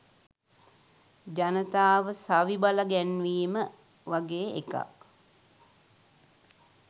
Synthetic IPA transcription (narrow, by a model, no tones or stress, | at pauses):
d͡ʒanət̪aːʋəsaʋibalaɡɛnʋiːmə | ʋaɡeːeka̰k